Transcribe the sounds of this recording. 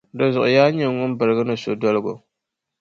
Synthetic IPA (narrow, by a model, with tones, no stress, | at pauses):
dɔ˨zʊ˨ʔʊ˨jaː˦ɲɛ˨ŋʊ˦m˦bɨ˨ɾɨ˨ɡɨ˦nɨ˨so˨dɔ˦lɨ˦ɡo̰˨